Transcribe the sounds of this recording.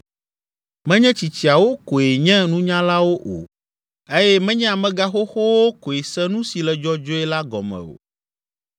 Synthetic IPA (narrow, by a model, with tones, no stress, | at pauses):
mɛ̃˦ɲɛ̃˦t͡ɕi˨t͡ɕi˨a˨wo˦ko˨je˨ɲɛ̃˦nũ˦ɲã˦la˦wo˦ʔo̰˨ | e˦jɛ˦mɛ̃˦ɲɛ̃˦a˨mɛ̃˦ɡa˦xo˦xo˦wo˦ko˨e˨sɛ̃˦nũ˦si˨lɛ˨d͡ʒɔ˦d͡ʒo˦ɛ˦la˦ɡɔ̰˨mɛ̰̃˨o̰˨